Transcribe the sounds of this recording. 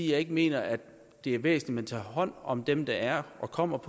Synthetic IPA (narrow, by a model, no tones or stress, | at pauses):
ijɑ̈ɪe̝ɡ̥əme̝̰ːnɐæd̥ | d̥e̝æɐʋḛːsn̩limænt͡sʰɑ̰̈ːɦɒ̽n̰ɒ̽md̥emd̥ɑ̈æɐʔɒ̽kʰɒ̽m̰ɐpʰɒ